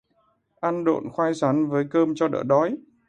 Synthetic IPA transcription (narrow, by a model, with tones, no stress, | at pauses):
ʔa˧nɗo̰˧˨nxwaː˧jsaː˨˦nvəː˨˦jkəː˧mt͡ɕɔ˧ɗə̰ː˧˩ɗɔ˨˦j